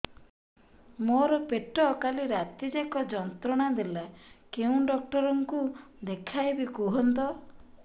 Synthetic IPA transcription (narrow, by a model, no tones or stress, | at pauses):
moɾɔpeʈɔkaliɾat̪id͡ʒakɔd͡ʒɔnt̪ɾɔɽ̃ad̪elakeũɖɔk̚ʈɔɾɔŋkud̪ekʰajbikuɦɔnt̪ɔ